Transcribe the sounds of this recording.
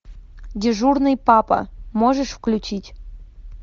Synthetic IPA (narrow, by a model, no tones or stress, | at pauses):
dʲeʐurnɨjpɑpɐ̰moʐəʂfklʲut͡ɕitʲ